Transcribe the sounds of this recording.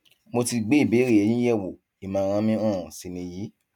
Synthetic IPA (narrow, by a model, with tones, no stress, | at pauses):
mo˧ti˧ɡ͡be˦i˦˨be˨˦ɾi˦˨ɛ˨˧˨j̃ĩ˦jɛ˦˨wo˨ | i˨mãː˨˦˧ɾ̃ã˧˦mĩ˦ɔ̃˦˨si˨nĩ˧ji˨˦